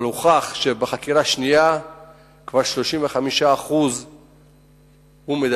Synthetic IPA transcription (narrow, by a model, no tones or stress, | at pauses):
luχaχʃebaχakiʁaʃnija | kvaʁʃlo̞ʃimveχamiʃaːχuz | humed̪